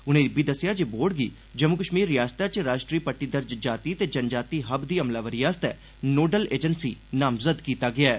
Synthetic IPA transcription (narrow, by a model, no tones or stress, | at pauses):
ʊnẽːbiːd̪əsːɪjaːd͡ʒeːboːɽɡiː | d͡ʒəmʊkəʃmiːɾːɪjaːst̪aːt͡ʃɾaːʃʈɾiːpəʈːiːd̪əɾd͡ʒd͡ʒaːt̪iːt̪eːd͡ʒənd͡ʒaːt̪iːɦəbd̪iːəmlaːʋəɾijaːst̪ɛː | noːɖəleːd͡ʒənsiːnaːmzəd̪kiːt̪aːɡɪaːɛː